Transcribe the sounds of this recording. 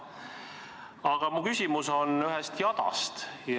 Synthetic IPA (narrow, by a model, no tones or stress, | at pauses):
ɑɡ̥ɑmukysʲimuso̞nyɦɛst̪jɑd̪̥ɑ̰st̪j